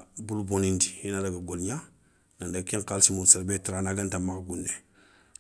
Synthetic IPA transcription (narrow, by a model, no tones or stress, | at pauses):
bulubonindihinadaɡaɡolɲa | nandakiŋkalsimusaɾbetɾanaɡantamaɡɡunːe